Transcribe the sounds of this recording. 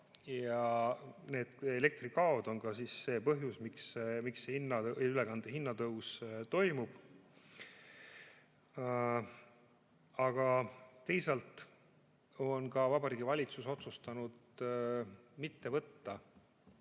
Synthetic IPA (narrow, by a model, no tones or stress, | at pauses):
jɑ | ne̞ːd̪̥ele̞k̚t̪rikɑo̞d̪̥o̞nkɑsisːe̞ːpɤɦjusmiksmikshinːɑylekɑnd̪̥eɦinːɑt̪ɤwst̪o̞jmub̥ | ɑɡ̥ɑt̪e̞jsɑlt̪ˑ | o̞nkɑvɑbɑɾiːɡ̥ivɑlʲit̪suso̞t̪sust̪ɑnud̪̥ | mit̪ːe̞vɤt̪ːɑ